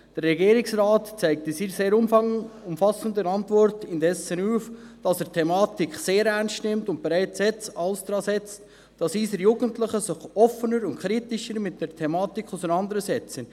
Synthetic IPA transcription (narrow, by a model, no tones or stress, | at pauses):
d̥ərɛɡiːɾɪksrɑːtt͡sæɪk̚tisiːseːɾʊmʊmfɑsəndənɑntʋɔrtɪndɛsənuːfd̥ɑsəɾtʰɛmɑːtikχseːɾɛɾnstnɪmtʊnt̚b̥eɾæɪt͡sɛt͡sɑlsd̪̥ɾɑːsɛt͡st | d̥ɑsiːsəɾjuːɡəntləχəsɪχɔfənəɾʊntkʰχɾitɪʃəɾmɪt̚d̥ɛɾtʰɛmɑːtikʰχusənɑnd̪əɾəsɛt͡sən